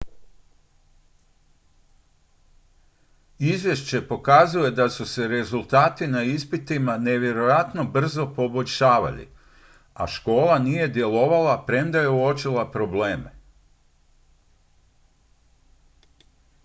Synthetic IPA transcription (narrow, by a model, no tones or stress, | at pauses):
izʋje̞ʃt͡ɕe̞po̞kazuje̞d̪asuse̞ɾe̞zulˠt̪aːt̪inaispit̪imane̞ʋje̞ɾo̞jat̪no̞br̩zopo̞bo̞ʎʲʃaːʋa̰lḭ | a̰ʃko̞ːlˠanije̞d̪je̞lo̞ʋalapɾe̞md̪aje̞uo̞t͡ʃilˠapɾo̞ble̞ːme